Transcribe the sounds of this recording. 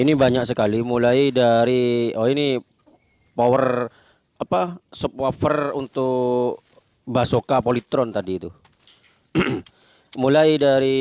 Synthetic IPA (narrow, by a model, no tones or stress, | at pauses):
inibaɲaksəkalimulaidaɾiɔini | powər | apasəpwafərunt̪ʊk | basokapolit̪ɾɔnt̪adiːt̪u | mulajdaɾi